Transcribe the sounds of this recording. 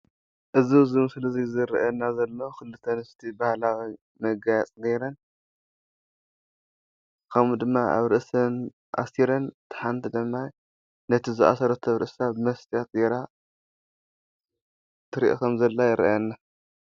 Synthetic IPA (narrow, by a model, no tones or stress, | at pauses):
ʔɨzizɨmɨsɨlɐzizɨɾ̰ʔɐnːazɐlːo̞kɨlːɨt̪ʰːɐnɨst̪ʰibahlawi | mɐɡajat͡sʼneɾɐn | kʰɐmud̪ɨmːaa̰βɾɨʔsɐn | ʔa̰siɾɐnt̪ʰḁħant̪ʰid̪ɨmːaj | nɐt̪ʰizɨʔa̰sɐɾɐt̪ʰɐβɾɨ̰ʔsabɨmɐst̪ʰijat̪̚ɡeɾa | t̪ʰɨɾḭʔokʰɐmzɐlːajɪɾ̰ʔɐnːa